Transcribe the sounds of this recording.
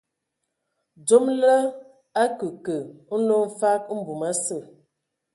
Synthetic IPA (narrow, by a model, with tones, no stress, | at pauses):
d͡ʒo˦mlə˦ | a˦kə˨kə˨˦no˦m̩˦fa˦k̚m̩˦bu˨ma˦sə˦˨